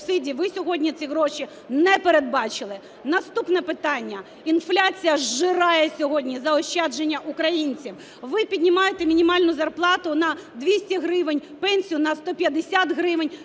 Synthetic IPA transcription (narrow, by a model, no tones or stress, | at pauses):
sɪdʲiʋɪsʲɔɦɔdʲnʲit̪sʲiɦɾɔʃi | nɛpeɾed̪̚bɑt͡ʃɪlˠɪ | nɐst̪upnɛpɪt̪ɑnʲːɐ | inflʲat͡sʲijɐʒɪɾɑjɛsʲɔɦɔdʲnʲizɐɔɕʲt͡ʃːɛd͡ʒenʲːɐʔʊkɾɐjinʲt͡sʲiw | ʋɪpʲidʲnʲɪmɑjet̪ɛmʲinʲimɑlʲnʊzɐrplˠɑt̪ʊnɐd̪ʋʲisʲtʲɐɦɾɪʋɪnʲpɛnʲsʲijʊnɐst̪ɔpʲjɐd̪ɪsʲat̪ɦɾɪʋɪnʲ